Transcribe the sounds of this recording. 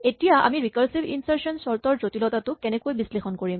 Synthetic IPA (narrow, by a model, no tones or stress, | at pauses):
etijaʔa̰miɹikaɹsibḭnsaɹsɔnsɔɹtɔɹzotilɔtatʊkɛnɛkojbislexɔnkoɹim